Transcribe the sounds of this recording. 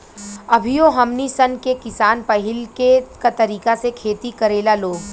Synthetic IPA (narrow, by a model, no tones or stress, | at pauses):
ɐbʱijoɦɐmnisɐnkekɪsaːnpɐɦɪlkekat̪ɐɾiːkasekʰeːt̪ikɐɾeːlaloː